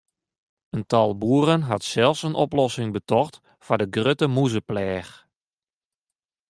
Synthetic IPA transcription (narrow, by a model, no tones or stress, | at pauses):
əntɑlˠbuərənɦatsɛlˠfsənɔplɔsɪŋbətɔxt | fadəɡrøtəmuzəplɛːx